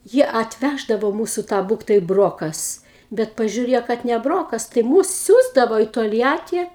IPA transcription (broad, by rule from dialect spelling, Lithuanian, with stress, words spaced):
ˈjiɛ ɐtʲˈʋʲæʒdɐʋoː ˈmuːsʊ ˈtɑː ˈbuːktɐɪ ˈbroːkɐs ˈbʲɛt pɐʒʲuːˈrʲiɛjoː kɐt nʲɛ ˈbroːkɐs tɐɪ ˈmuːs ˈsʲuːzdɐʋoː iː toːlʲˈjæːtʲiː